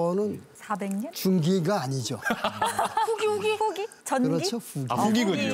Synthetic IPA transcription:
ʌnɯnsabeŋɲʌt͡ɕuŋɡiɡaːɲid͡ʑo | uɡɡiuɡit͡ɕʌnkɯɾʌit͡ɕʰoɸuɡiuɡiɡʌ

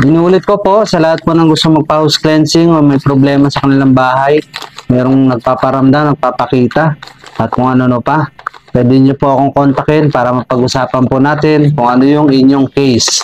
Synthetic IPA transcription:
ʔɪnuːlɪt̪̚kopo̞ʔsɐlɐhat̪̚ponɐŋɡʊst̪oŋmɐɡ̚pahʊsklɛnsɪŋomɐjpɾoblɛːmɐsɐkɐnɪlaŋbaːɦajmɛːɾo̞ŋnɐɡ̚paːpɐɾɐmd̪amnɐɡ̚paːpɐkiːt̪ɐʔɐt̪̚kʊŋʔɐnonopapwɛːd̪ɛɲopoʔɐko̞ŋkont̪ɐkɛnpaːɾɐmɐpɐɡʊsaːpɐnponaːt̪ɪnkʊŋɐnojʊŋɪɲjoŋkɛjs

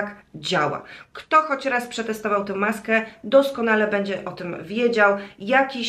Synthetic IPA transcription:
kd͡ʑawa̰kt̪ɔxɔt͡ɕɾaspʂɛt̪ɛst̪ɔvawt̪ɛ̃w̃maskɛd̪ɔskɔnalɛbɛɲd͡ʑɛʔɔt̪ɘmvʲjed͡ʑawjakʲi

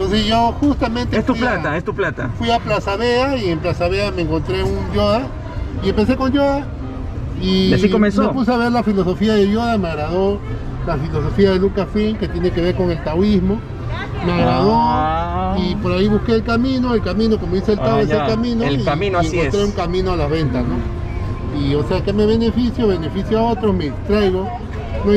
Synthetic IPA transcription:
nt̪onsesʝoxust̪amẽnt̪eft̪ulat̪aest̪uplat̪a̰fwiaplasaβeaiemplasaβeameːŋko̞nt̪ɾeundjoða | iempe̞s̬e̞ko̞ndoða | iasikomensmepus̬eaβe̞ɾlafilo̞so̞fiaðeðjoðameaɣɾaðo̞ | lafilo̞s̬o̞fiaðe̞lukasfiŋket̪je̞nekeβe̞ɾkoŋe̞lt̪awizmo | meaɣɾaðo | ipoɾaiβuhkeːlkamĩno̞elkamĩno̞komoðiselt̪awessekamĩnoikeneŋkont̪ɾeuŋkamĩnoalaβe̞nt̪asno | ioseakeme̞βe̞ne̞fisjoβe̞nefisjoaot̪ɾohmet̪ɾajɣo | no

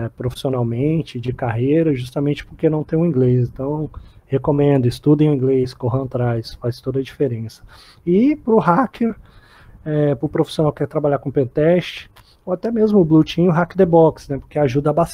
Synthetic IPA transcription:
ɛpɾofi̥sionawmẽt͡ʃɪd͡ʒɪkaɦejɾɐʒust̪amẽnt͡ʃɪ̥poɾkenɐ̃w̃t̪ẽj̃ũĩɡles̬ẽt̪ɐ̃w̃hekomẽnd̪ʊɪst̪ud̪ẽj̃ũĩɡlejskoɦɐ̃t̪ɾajsfajst̪od̪ɐd͡ʒifeɾẽsɐ̥ | ɪpɾʊɦakʰeɾ | ɛpɾʊpɾofi̥sionawkɛɾt̪ɾabaʎakõpẽt̪ɛst͡ʃɪ̥ | oat̪ɛmezmʊʊblut͡ʃĩɲʊɦakɪd̪ebɔksnɛpoɾkeaʒud̪ɐabas

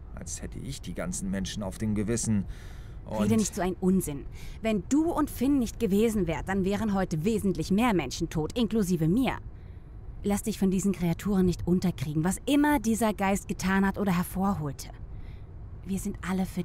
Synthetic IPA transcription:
ʔa̰lshɛtʰə̰ʔɪ̰çd̥iːɡa̰nt͡sn̩mɛnʃn̩a̰ʊfd̥eːmɡəvɪsn̩ | ʔʊ̰iːdənɪçtz̥oːaɪnʔʊnzɪnvɛnduːʊntfɪnːɪçt̚ɡ̥əveːzn̩vɛːʁəd̥anvɛːʁ̞ənɦɔʏtəveːzn̩tlɪçmeːɐmɛnʃn̩tʰoːtʔɪnkluziːvəmiːɐ | lastz̥ɪçfɔndiːzn̩kʁ̥eatʰuːʁ̞ənːɪçtʔʊntɐkʁ̥iːɡŋ̩vasʔɪmɐdiːzɐɡaɪst̚ɡ̥ətʰaːnhatʔoːɾɐɦɛɐfoːɐɦoːltʰə̥ | viːɐzɪntʔaləfyːɐ

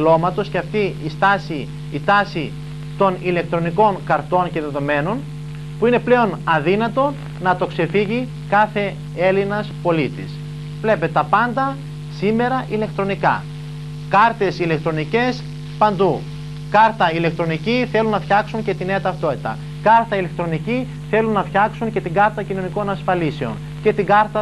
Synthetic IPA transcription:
lo̞mɐt̪o̞sceɐft̪iist̪ɐsiː | t̪ɐsi | t̪o̞nile̞k̚t̪ɾo̞niko̞ŋkɐɾt̪o̞nce̞ðe̞ðo̞me̞no̞n | puine̞ple̞o̞nɐðinɐt̪o̞ | nɐt̪o̞kse̞fiʝi | kɐθe̞ | e̞linɐspo̞lit̪is | vle̞peet̪ɐpɐnd̪ɐ | sime̞ɾɐʔile̞kt̪ɾo̞nikɐ̰ | kɐɾt̪e̞sile̞kt̪ɾo̞nice̞s | pɐnd̪u | kɐɾt̪ɐile̞k̚t̪ɾo̞niciθe̞lunːɐfçɐksuɲce̞t̪ine̞ɐt̪ɐft̪o̞t̪i̥t̪ɐ̰ | kɐɾt̪ɐile̞k̚t̪ɾo̞nici | θe̞lunːɐfçɐksuɲce̞t̪iŋɡɐɾt̪ɐcino̞niko̞nɐsfɐlise̞o̞̰n | ce̞t̪iŋɡɐɾt̪ɐ

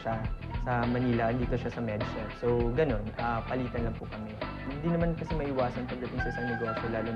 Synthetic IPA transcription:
ɐsɐmɐniːlɐʔɐnd̪iːt̪oʃasɐmɛdsɛsowɡɐno̞napɐliːt̪ɐnlɐŋpʊkɐmɛ | hɪnd̪inɐmankɐsɛmɐʔɪwaːsɐnpɐb̪ɐt̪ʊnsɐʔɪsɐŋnɛɡo̞ːsolaːlʊ

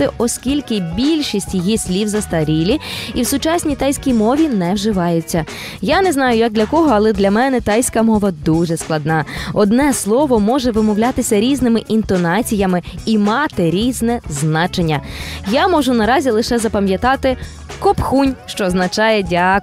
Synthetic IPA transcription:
ɪʔɔskʲilʲkɪbʲilʲʃisʲtʲjɔjisʲlʲiwzɐst̪ɐɾʲilʲiiwsʊt͡ʃasʲnʲijt̪ɑjsʲkʲijmɔʋʲinɛwʒɪʋɑjʊt͡sʲːɐ | janɛznɑjʊjɐɡ̚d̪lʲɐkɔɦɔɐlˠɛd̪lʲɐmɛnɛt̪ɑjsʲkɐmɔʋɐd̪uʒɛsklˠɐd̪nɑɔd̪nɛslˠɔʋɔmɔʒɛʋɪmɔwlʲat̪ɪsʲɐɾʲiznɪmɪʔint̪ɔnɑt͡sʲijɐmɪimɑt̪ɪɾʲiznɛznɑt͡ʃenʲːɐjamɔʒʊnɐɾɑzʲilˠɪʃɛzɐpɐmʲjɐt̪ɑt̪ɪ | kɔpxunʲʃt͡ʃɔznɐt͡ʃɑjɛdʲak

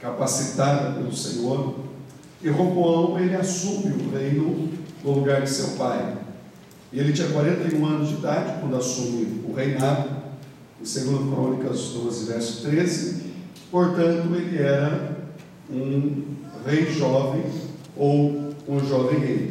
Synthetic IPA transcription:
kapasit̪ad̪ɐpelʊsḛ̃ɲoɾ | ɪɦoboɐ̃ũelɪasũmɪʊʁejnʊd̪ʊlʊɡaɾd͡ʒɪsewpaj | ɪelɪt͡ʃĩɲɐkwaɾẽnt̪ɐjũɐ̃nʊzd͡ʒɪd̪ad͡ʒɪkwɐ̃nd̪ʊasũmɪʊʁejnad̪ʊ | ẽseɡũd̪ʊkɾõnikɐzd̪ozɪvɛɾsʊ̥t̪ɾezɪ | poɾt̪ɐ̃nt̪ʊelɪɛɾɐ | ũ | ʁejʒɔvẽj̃ | owũʒɔvẽj̃hej

